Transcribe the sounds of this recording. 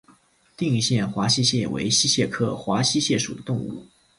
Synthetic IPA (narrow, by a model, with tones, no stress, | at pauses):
t̪i˥˧ŋi˥˧ɕjɛ˥˩nxwa˧˥ɕi˥ɕjɛ˥˩wḛ˧˥ɪɕi˥ɕjɛ˥˧kʰɤ˥˩xwa˧˥ɕi˥ɕjɛ˥˩ʂu˨˩d̪ə˦t̪ʊ˥˧ŋṵ˥˩